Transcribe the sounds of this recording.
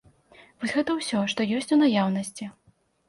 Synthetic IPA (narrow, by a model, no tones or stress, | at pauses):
vɔsʲɣɛt̪ɐwsʲɔʂt̪ɔjɔsʲt͡sʲunajawnɐsʲt͡sʲi